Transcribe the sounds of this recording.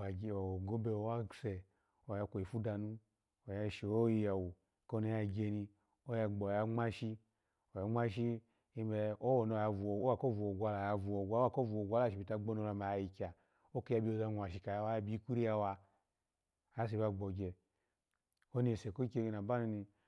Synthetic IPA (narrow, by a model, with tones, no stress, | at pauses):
a˨ɡe˨o˨o˨ɡo˦be˧o˦wa˦se˨ | o˨ja˧kʷo˨i˨fu˦da˧nu˦ | o˨ja˧˨ʃi˨o˦ji˧ja˨wu˨ | ko˦no˨˦ja˨ɡʲe˧ni˧ | o˦ja˧ɡ͡bo˨ja˧ŋ͡ma˦ʃi˦ | o˨a˨ŋ͡ma˦ʃi˦ | i˦be˧o˦wo˨n˨o˨ja˧˨vu˨o˨o˦a˦˨ko˦vu˨o˨ɡʷa˧la˨ja˧vu˨o˨ɡʷa˦a˦˨ko˦vu˨o˨ɡʷa˦la˦ʃi˨bi˨ta˧ɡ͡bo˦no˧la˧ma˨a˧˨ji˨kʲa˨ | o˦ke˦ja˧˦bi˦o˨˧za˧nʷ˨a˨ʃi˨˧ka˨ja˧˦wa˦ja˦bi˦ku˦ɾi˦ja˧wa˧˨˦ | s̬e˨ba˧ɡ͡bo˨ɡʲe˨ | o˦ni˨se˨ko˦kʲe˧i˧na˨ba˦nu˧ni˧